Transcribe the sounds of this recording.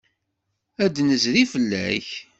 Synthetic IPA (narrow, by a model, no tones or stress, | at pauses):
æd̪nəzɾifəlːæ̰ç